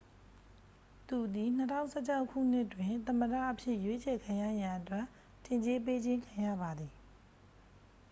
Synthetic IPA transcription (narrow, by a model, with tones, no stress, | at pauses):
t̪u˨d̪i˨n̥ətʰã˦˨ʊ̃sʰɛ˦˨t͡ɕʰa˦ʊkʰːṵ˦˨n̥ɪ˦ʔtwɪ̃˨t̪ə̃˨məda̰˦˨ʔəpʰjɪ˦ʔjwe˦t͡ɕʰɛ˨kʰã˨ja˦˨ja˨ʔətwɛ˦˨ | tʰːɪ̃˨ɲt͡ɕe˦p̬e˦d͡ʑɪ̃˦ŋkʰã˨jä̰˦˨ba˨d̪ði˨